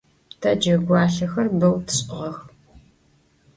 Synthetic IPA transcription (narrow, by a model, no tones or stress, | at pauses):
tʰɐd͡ʒɐɡʷɑːɬɐxɐrbɨwtʰɨ̥ɕʼɪʁɐx